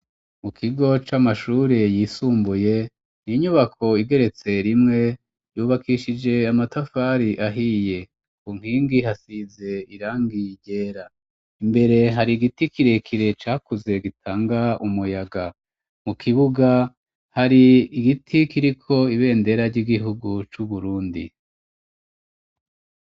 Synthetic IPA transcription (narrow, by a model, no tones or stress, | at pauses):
mukʰiɡo̞t͡ʃamaʃuːɾejiːsuːmbuje̞ | niɲuβakʰo̞iɡe̞ɾe̞t͡se̞ɾimŋe̞ | juːβakʰiʃid͡ʒe̞amatafaɾiʔaɦije̞ | kuŋ̥hiːŋɡiɦasize̞iɾaːŋɡiɟe̞ːɾa | imbe̞ɾe̞ɦaɾiɡitikiɾe̞kʰiɾe̞t͡ʃaːkuze̞ɡitʰaːŋɡaumujaɡa | mukʰiβuɡa | haɾiːɡitʰikiɾikʰo̞iβe̞ːnde̞ɾaɾɟiːɡiɦuɡut͡ʃuβuɾuːndḭ